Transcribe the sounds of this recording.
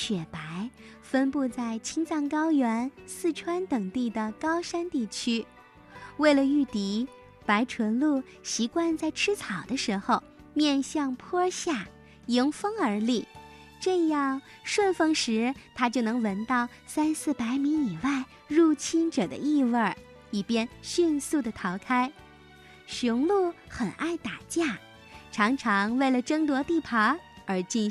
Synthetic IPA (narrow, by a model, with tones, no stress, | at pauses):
ɕɥɛ˨˩pa˧˥ɪ | fə˥npu˥˧t͡sa˥˩ɪt͡ɕʰi˥ŋt͡sɑ˥˩ŋkɑ˥ʊjɛ˧˥nsɹ̩˥˩ʈ͡ʂʰwa˥nt̪ɤ˨˩ŋt̪i˥˩d̪ə˩kɑ˥ʊʂa˥nt̪i˥˩t͡ɕʰy˥ | we˥˩ɪlə˩y˥˩t̪i˧˥ | pa˧˥ɪʈ͡ʂʰwə˧˥nlu˥˩ | ɕi˧˥kwa˥˧nt͡sa˥˩ɪʈ͡ʂʰɻ̩˥t͡sʰɑ˨˩ʊd̪ə˦ʂɻ̩˧˥xo˥˧ʊ | mjɛ˥˧nɕjɑ˥˧ŋpʰwɔ˥ɕja˥˩ | ji˧˥ŋfɤ˥ŋə˞˧˥li˥˩ | ʈ͡ʂɤ˥˧jɑ˥˧ŋ | ʂwə˥˧nfɤ˥˧ŋʂɻ̩˧˥t̪ʰa˥t͡ɕjo˥˩ʊnɤ˧˥ŋwə˧˥nt̪ɑ˥˩ʊ | sa˥nsɹ̩˥˩pa˧˥ɪmi˧˥i˨˩wa˥˧ɪ | ɻu˥˩t͡ɕʰi˥nʈ͡ʂɤ˨˩d̪ə̰˦i˥˧wə˥˧˩ | i˨˩pjɛ˥nɕy˥˧nsu˥˩d̪ə˩t̪ʰɑ˧˥ʊkʰa˥ɪ | ɕʊ˧˥ŋlu˥˩xə˨˩nʔa˥˩ɪt̪a˨˩t͡ɕja˥˩ | ʈ͡ʂʰɑ˧˥ŋʈ͡ʂʰɑ˧˥ŋwe˥˩ɪlə˩ʈ͡ʂɤ˥ŋt̪wɔ˧˥t̪i˥˩pʰɑ˧˥ə˞˧˥t͡ɕi˥˧n